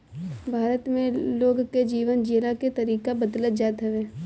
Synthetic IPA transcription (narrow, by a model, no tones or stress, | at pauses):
bʱaːɾət̪mẽloːɡked͡ʒiːʋənd͡ʒeːlaket̪ɐɾiːkabəd̪lət̪̚d͡ʒaːt̪ɦɛʋeː